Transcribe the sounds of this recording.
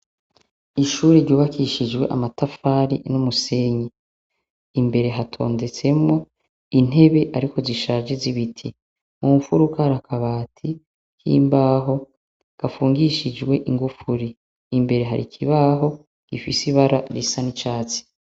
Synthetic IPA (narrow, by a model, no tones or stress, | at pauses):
iʃuːɾeɾɟuːβakiʃid͡ʒwe̞̰ʔa̰matafaːɾḭnumuse̞ɲe | imbe̞ɾe̞ɦatʰo̞̰ːnde̞t͡se̞mŋo̞ | in̥e̞βe̞ʔaɾiko̞ziʃaːʒe̞ziβitʰi | mufuɾukaɾakʰaβaːtʰi | kḭːmbaːɦo̞ | ɡ̥afuːŋɡiʃid͡ʒɡwe̞ʔiŋɡufuɾiː | mbe̞ɾe̞ɦa̰ɾḭkʰiβaɦo̞ | ɡ̥ifisiβaɾaɾisanit͡ʃaːt͡si̥